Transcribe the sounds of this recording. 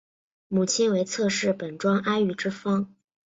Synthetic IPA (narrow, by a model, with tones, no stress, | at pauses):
mu˨˩t͡ɕʰi˥nwe˧˥ɪt͡sʰɤ˥˧ʂɻ̩˥˩pə˨˩nʈ͡ʂwɑ˥ŋʔa˥ɪy˧˥˩ʈ͡ʂɻ̩˥fɑ˥ŋ